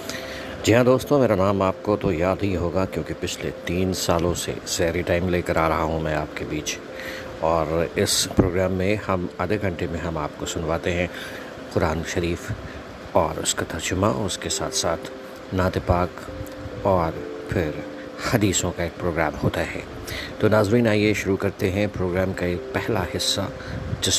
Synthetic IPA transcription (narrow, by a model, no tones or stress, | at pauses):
d͡ʒɪɦãd̪oːst̪õmeːɾanaːmaːp̚kot̪ojaːd̪ɦiɦoːɡakjõːkipɪt͡ʃʰlḛt̪iːnsaːlõsḛz̥ɛːɾiʈaːɪmleːkɐɾaːɾɐɦaɦũmɛ̃ːaːp̚kebiːt͡ʃ | ɔːɾɪspɾoːɡɾaːmːẽhɐmɐd̪eɡʱɐ̃ɳʈemẽɦɐmaːp̚kosʊnʋaːt̪eɦɛ̃ | qʊɾaːnʃɐɾiːf | ɔːɾʊ̰skat̪ɐɾd͡ʒʊma̰ʊskesa̰ːt̪ʰsaːt̪ʰ | naːt̪epaːk | ɔːɾfʰɪɾ | hɐd̪iːsõkaeːk̚pɾoːɡɾaːmhoːt̪aɦɛ̰ː | t̪oːnaːzɾiːnaːieʃʊɾukɐɾt̪eɦɛ̃pɾoːɡɾaːmkaeːk̚pɛɦlahɪsːa̰ | d͡ʒɪs